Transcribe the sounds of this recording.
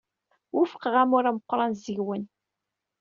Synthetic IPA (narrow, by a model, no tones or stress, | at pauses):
wʊfə̥qʁæmʊɾæməqːɾˤɑnzəʝwən